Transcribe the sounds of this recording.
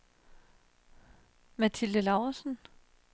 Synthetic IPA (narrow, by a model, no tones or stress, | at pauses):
mæt͡sʰiləlɑʊɐsn̩